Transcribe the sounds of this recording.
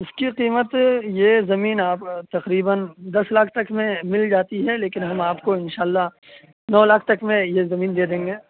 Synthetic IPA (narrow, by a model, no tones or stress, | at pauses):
ʊskiqiːmət̪jezɐmiːnaːpt̪ɐqɾiːbənd̪ɐslaːkʰt̪ɐkʰmẽmɪld͡ʒaːt̪iɦɛleːkɪnɦɐmaːpkoɪnʃaːlːa | nɔːlaːk̚ʰt̪ɐkʰmẽjezɐmiːnd̪eːd̪ẽːŋɡeː